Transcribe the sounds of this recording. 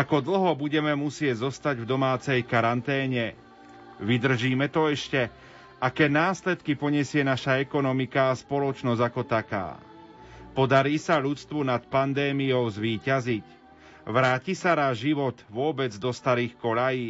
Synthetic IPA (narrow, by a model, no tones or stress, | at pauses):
akɔd̪l̩ɦɔbuɟɛmɛmusɪɛɟzɔst̪aɟvd̪ɔmaːt͡sɛjkaɾant̪ɛːɲɛ | ʋid̪r̩ʒiːmɛt̪ɔɛʃcɛ | akɛːnaːslɛt̪kipɔɲɛsɪɛnaʃaɛkɔnɔmikaːspɔlɔt͡ʃnɔzakɔt̪aka̰ː | pɔd̪aɾiːsaʎut͡st̪ʋunat̪pand̪ɛːmijɔʊzʋiːcazic | ʋɾaːcisaɾaʒiʋɔt̪ʋʊɔbɛd͡zd̪ɔst̪aɾiːxkɔʎajiː